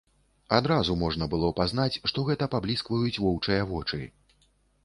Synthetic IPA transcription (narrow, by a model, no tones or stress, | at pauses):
ad̪ɾazumɔʐnɐbɨlˠɔpaznat͡sʲʂt̪ɔɣɛt̪ɐpablʲiskvɐjut͡sʲvɔwt͡ʂɨjɐvɔt͡ʂɨ